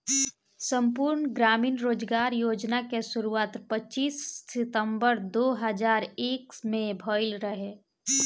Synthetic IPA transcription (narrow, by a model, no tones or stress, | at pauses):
sə̃mpuːɾɳɡɾaːmiːnɾoːd͡ʒɡaːɾjoːd͡ʒnakesʊɾuaːt̪pət͡ʃiːsːɪt̪ə̃mbəɾd̪oːɦəd͡ʒaːɾeːkmẽbʱɔːɪlɾəɦeː